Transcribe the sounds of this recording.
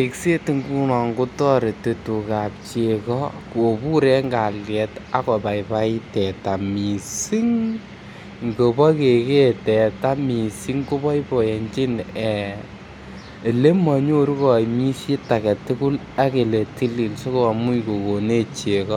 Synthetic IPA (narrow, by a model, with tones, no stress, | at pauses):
e˨kse˦ti˨ŋɡu˦nɔ˨ŋɡu˦tɔ˦ɾe˨te˨tu˨ka˨p̚t͡ʃe˨kɔ˦ko˨pu˦ɾɛ˦ŋɡa˨ljɛ˨ta˦kɔ˨pa˨ipa˦ɪ˦tɛ˨ta˨mi˨si˦ŋ | ŋɡo˨pɔ˦ke˨ke˦tɛ˨ta˦mi˨si˦ŋko˦pɔ˦ipɔ˨e˨ɲt͡ʃi˦nɛ | e˨le˦mɔ˨ɲo˦ɾu˦kɔ˨imi˦si˦ta˨kɛ˨tu˦ku˦l | a˦ke˨le˨ti˦li˨lso˦ko˦a˨mu˦jko˨ko˨ne˦t͡ʃe˨kɔ˦